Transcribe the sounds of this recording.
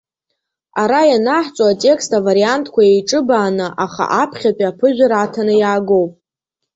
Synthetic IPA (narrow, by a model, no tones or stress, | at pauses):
aɾajanaħt͡sʷʼoatʼe̞kstavaɾiantʰkʷʰajejʈ͡ʂʼɨbaːnɨʔaχa̰ʔapʰχʲapʼapʰɨʒʷᶣaɾatʰanɨjaːɡo̞wpʼ